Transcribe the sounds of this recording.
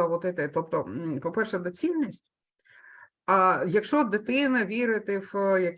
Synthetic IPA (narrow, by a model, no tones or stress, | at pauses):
ɐʋɔt̪ɛt̪ɛt̪ɔp̚t̪ɔpɔpɛrʃɛd̪ɔt͡sʲilʲnʲisʲtʲ | ɐjɐkʃt͡ʃɔd̪ɪt̪ɪnɐʋʲiɾɪt̪ɪwjɐk